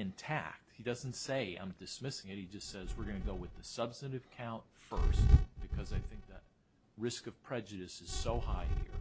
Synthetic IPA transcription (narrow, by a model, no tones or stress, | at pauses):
ɨ̃ntʰæ̰k̚t̚hidʌzn̩tseɪã̰ɪ̃mdɨsmɪsɪ̃ŋɨt̚hid͡ʒʌstsɛzwɨɹɡʌ̃nɨɡoʊwɨðɨsʌb̥stɨɾɨv̥kʰãʊ̃ntfɜ̰˞st̚b̥ɨkʰʌzaɪθɪ̃ŋk̚ðɨt̚ | ɹɪskʌv̥pʰɹ̥ɛd͡ʒɨɾɨsɨz̥soʊhaɪhḭɹ